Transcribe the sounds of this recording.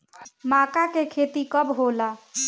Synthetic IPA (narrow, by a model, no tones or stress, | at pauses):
makakekʰet̪ikəbɦola